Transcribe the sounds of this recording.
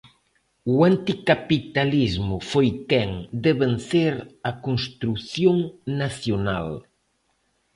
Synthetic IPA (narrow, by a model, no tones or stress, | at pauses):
uant̪ikapit̪alizmʊfojkɛŋd̪eβen̟θeɾakoŋst̪ɾuθjoŋnaθjona̰l